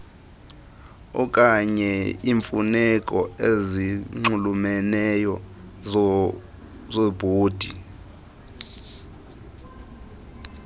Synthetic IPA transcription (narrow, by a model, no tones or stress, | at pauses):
ɔ̰kʼaɲɛiɱfunɛkʼɔeziŋ͡ǁulumɛnɛjɔ | zobʱoːd̥ʱi